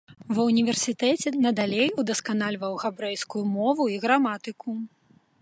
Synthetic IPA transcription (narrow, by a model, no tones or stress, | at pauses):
vɐunʲivʲɛrsʲit̪ɛt͡sʲɛnɐd̪alʲejud̪ɐskanalʲvɐwɣabɾɛjskujumɔvuiɣɾamat̪ɨku